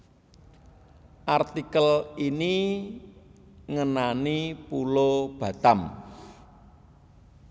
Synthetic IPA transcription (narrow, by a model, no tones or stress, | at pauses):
ʔart̪ikəlini | ŋənanipulob̥ä̤t̪am